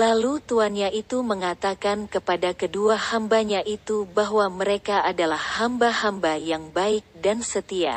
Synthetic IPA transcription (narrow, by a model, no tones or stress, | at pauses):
lalut̪uanɲaʔit̪uməŋat̪akankəpadakəduahambaɲaʔit̪ubaɦwaməɾekaʔadalahhambahambajaŋbaɪk̚dansət̪ia̰